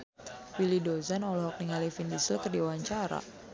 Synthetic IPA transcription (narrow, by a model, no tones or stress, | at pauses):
wilidozanɔlɔɦɔk̚niŋalifindisəlkɨrdiuwaɲt͡ʃaɾa̰